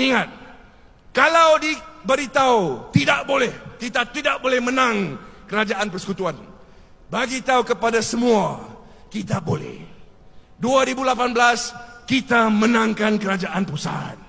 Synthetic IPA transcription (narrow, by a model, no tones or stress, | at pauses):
iŋat̪̚ | kalawdibəɾit̪aut̪idaʔbolɛhkit̪at̪idaʔbolɛhmənãŋkəɾad͡ʒaʔanpərsə̥kut̪uan | baɡit̪aukəpadasəmũa | kit̪abolɛ̰h | duaɾibulapanbəlaskit̪amənãŋkankəɾad͡ʒaʔanpusa̰t̪̚